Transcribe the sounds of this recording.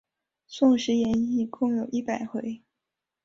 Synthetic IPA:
sʊ˥˩ŋʂɻ̩˧˥jɛ˧˥ni˥˧kʊ˥˩ŋjo˨˩ʊʔi˥˩pa˨˩ɪxwe˧˥ɪ

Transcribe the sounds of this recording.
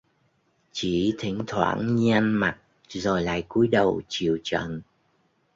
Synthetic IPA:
t͡ɕi˧˩t̪ʰï˨˦ŋ̟t̪ʰwa̰ː˧˥nɲi˧a˧nma˨˩t̚ | zo˨˩jla̰ː˧˨jku˨˦jɗə˨˩wt͡ɕi˧˨əwt͡ɕə̰˧˨n

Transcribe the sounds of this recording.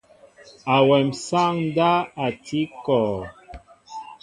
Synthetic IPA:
a˨wɛ˨msa˦ŋn˦da˦a˨tʰi˦kɔ˨

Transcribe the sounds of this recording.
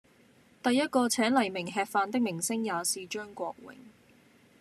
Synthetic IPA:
t̪ɐ˨jːɐ˥t̚kɔː˧t͡sʰɛː˨˥nlɐ˨˩jmɪ˨˩ŋɦɛː˧t̚faː˧nt̪ɪ˥k̚mɪ˨˩ŋsɪ˥ŋjaː˨˧siː˨t͡ʃœː˥ŋkʷɔː˧k̚wɪ̰˨˩ŋ

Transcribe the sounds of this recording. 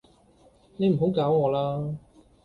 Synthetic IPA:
ne˨˧jm̩˨˩ɦo˨˥wkaː˨˥wŋɔː˨˧laː˥

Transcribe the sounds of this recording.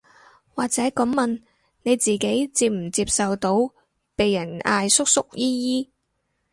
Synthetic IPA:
waː˨k̚t͡sɛː˨˥kɐ˨˥mmɐ˨n | ne˨˧jt͡siː˨ke˨˥jt͡siː˧p̚m̩˨˩t͡siː˧p̚sɐ˨wt̪o˨˧˥w | pe˨jːɐ˨˩na̰ː˧jsʊ˥k̚sʊ˥k̚jiː˥jiː˥

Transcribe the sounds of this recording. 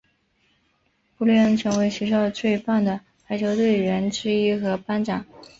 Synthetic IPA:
pu˥˧lɥɛ˥nʈ͡ʂʰɤ˧˥ŋwe˧˥ɪɕɛ˧˥ɕ̬jɑ˥˧ʊt͡swe˥˧ɪpa˥˩nd̪ə˩ | xa˧˥ɪt͡ɕʰjo˧˥ʊt̪we˥˩ɪɻə˧˥nʈ͡ʂɻ̩˥i˥xɤ˧˥pa˥nʈ͡ʂɑ˨˩˦

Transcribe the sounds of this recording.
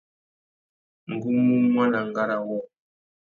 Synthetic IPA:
ŋ̩˨ɡu˦mu˦mwa˦na˨ŋ˨ɡa˦ɾa˨wɔ˦

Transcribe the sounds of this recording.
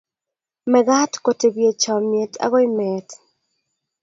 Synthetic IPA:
mɛ˨ɡa˦tko˨te˨bje˨t͡ʃɔ˨mje˨ta̰˦ɣɔ˦ɪ˦mɛ˨t

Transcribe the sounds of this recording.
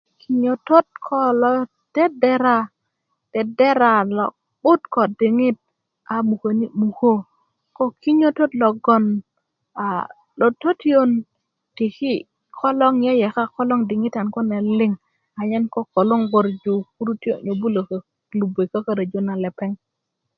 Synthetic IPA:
ki˨ɲo˨to˦t̚kʰɔ˦lɔ˦ | d̥ɛ˦dɛ˦ɾa˦ | d̥ɛ˨dɛ˦ɾa˨lɔ̰˨ | ɓʊ˦tkɔ˨dɪ˨ŋɪ˦t̚ | a˨mu˨ko˨ni˦mu˨ko˦ | kɔ˦ki˦ɲo˦to˦tlɔ˨ɡɔ˦n | a˨ | lo˨to˦ti˦o˦n | ti˨ki˦ | kʰɔ˦lɔ˦ŋjɛ˦jɛ˨ka˦kɔ˦lɔ˦ŋdɪ˨ŋi˦ta˨nkɔ˦nɛ˨lɪ˦ŋ | a˨ɲɛ˦nkɔ˦ko˨lo˦ŋɡo˨ɾd͡ʒu˨ku˦ɾu˦ti˦o˦ɲo˨bu˦lo˨k | lu˨be˨ka˦ka˦ɾa˨d͡ʒo˦na˨lɛ˨pɛ˦ŋ

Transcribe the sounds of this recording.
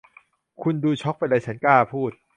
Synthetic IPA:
kʰu˧nduː˧t͡ɕʰɔ˦˥k̚pa˧nda˧jt͡ɕʰa˦˥nkaː˥˩pʰuː˥˩t̪̚

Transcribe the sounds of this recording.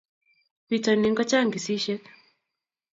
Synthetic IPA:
pitɔni˦ŋɡɔ˦t͡ʃa˦ŋɡi˨si˦ʃɛk

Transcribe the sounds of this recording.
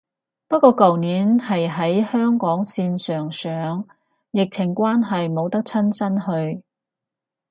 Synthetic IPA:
pɐ˥t̚kɔː˧kɐ˨wniː˨˥nhɐ˨jɦɐ˨˥jhœː˥ŋkɔː˨˥ŋsiː˧nsœː˨ŋsœː˨˥ŋ | jɪ˨k̚t͡sʰɪ˨˩ŋkʷwaː˥nɦɐ˨jmo˨˧wt̪ɐ˥k̚t͡sʰɐ˥nsʰɐ˥nhɵ˧ɥ

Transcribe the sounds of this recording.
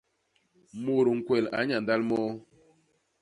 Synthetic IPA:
mo˨ɾu˨ŋ̩˨kwɛ˨la̰˨˦ɲa˨n˨da˦lmɔ˦

